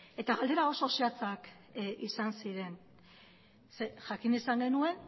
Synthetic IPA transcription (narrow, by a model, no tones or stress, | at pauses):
e̞t̪aɣald̪e̞ɾao̞so̞seat͡sak | isansiɾe̞n | seʝakinisaŋɡe̞nue̞n